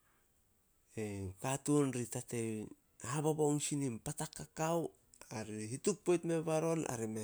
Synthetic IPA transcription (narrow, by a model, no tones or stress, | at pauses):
ekatunɾitate | haβaβoŋsinimpatakːakaw | aɾihituk̚po̞jtme̞βaɾo̞na̰ɾime